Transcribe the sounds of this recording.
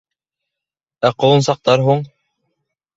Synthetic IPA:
æqŏwɤ̆nsɑq̚t̪ɑɾɦuɴ

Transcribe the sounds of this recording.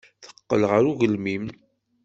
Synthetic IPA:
θə̥qːəlʁəɾuʝəlmim

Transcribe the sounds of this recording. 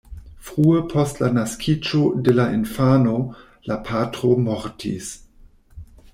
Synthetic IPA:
fʁuepʰostlanaskʰid͡ʒodelainfano | lapʰatɾomoɾtʰḭs

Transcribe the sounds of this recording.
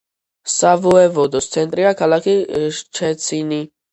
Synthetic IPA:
savɔɛvɔd̪ɔst̪sʰɛnt̪ʼɾiakʰalakʰit͡ʃʰɛt̪sʰini

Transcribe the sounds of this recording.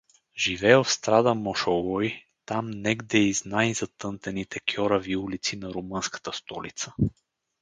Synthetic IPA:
ʒivɛəfst̪ɾad̪əmɔʃowɔj | t̪amnɛɡd̪ɛiznajzɐt̪ɤnt̪ɛnit̪ɛkʲʰɔɾɐviulit̪sinɐɾumɤnskə̥t̪əst̪ɔlḭt̪sə

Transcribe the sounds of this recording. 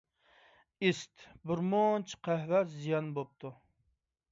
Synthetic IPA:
ist̪bɨɾmont͡ʃʰqʰæhvæzijɑnbop̚t̪ʰu

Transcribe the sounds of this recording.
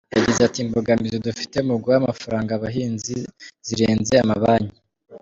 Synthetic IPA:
jaɟizatimboɡamizodufi̥te̞umuɡuwamafaɾaːŋɡaβaɦiːnziz̥iɾeːnze̞amaβaɲi

